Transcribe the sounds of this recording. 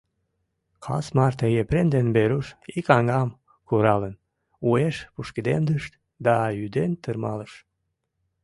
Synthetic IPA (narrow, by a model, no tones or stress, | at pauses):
kʰɑ̰smɑrt̪əɣepɾend̪enbeɾuʃikɑŋɑm | kuɾɑlən | ueʃpuʃkəd̪emd̪əʃt̪ | d̪ɑjyd̪ent̪ərmɑləʃ